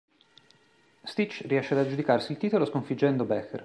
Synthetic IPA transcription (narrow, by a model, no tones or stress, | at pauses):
st̪it͡ʃriɛʃːead̪ad͡ʒud̪ikarsiːlt̪iːt̪oloskoɱfid͡ʒːɛnd̪obɛxḛr